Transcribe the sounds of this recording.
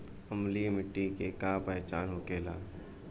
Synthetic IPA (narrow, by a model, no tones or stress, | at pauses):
əmlimɪʈːikekapɛːt͡ʃaːnɦoːkeːla̰ː